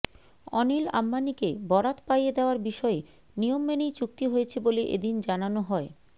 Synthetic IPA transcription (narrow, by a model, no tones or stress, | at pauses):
ɔnila̰mːanikebɔɾat̪pajed̪eoaɾbiʃɔe | nijomːenejt͡ɕuk̚t̪iɦojet͡ɕʰeboleʔḛd̪ind͡ʑananoɦɔe